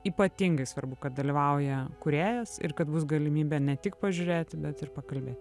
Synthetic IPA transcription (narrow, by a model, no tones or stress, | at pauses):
iːpɐt̪ʲɪŋɡɐɪsʋɐɾbʊkɐt̪̚d̪ɐlʲiʋɐʊjɛkʊɾʲeːjɛsɪ̰rkɐt̪bʊsɡɐlʲɪmʲiːbʲɛnʲɛt̪ʲɪkpɐʒʲʊɾʲeːt̪ʲɪbʲɛt̪ɪrpɐkɐlʲbʲeːt̪ʲ